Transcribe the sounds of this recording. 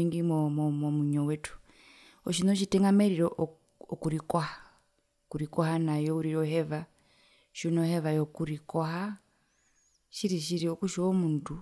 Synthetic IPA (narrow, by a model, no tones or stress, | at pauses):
iŋɡimmɔmɔmuɲɔwɛtu̥ | ɔʃinoʃ̬itɛŋɡamɛɾiɾɔʔ | ɔkuɾikɔha | kuɾikɔhanajɔuɾiɾɔɦɛβa | ʃunɔhɛβajɔkuɾikɔɦa | ʃiɾiʃiɾiokuʃɔɔmuntu